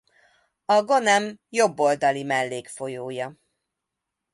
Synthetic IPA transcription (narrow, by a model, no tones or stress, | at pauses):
ɒɡo̞nɛmjo̞bːo̞ld̪ɒlimɛlːeːkfo̞joːjɒ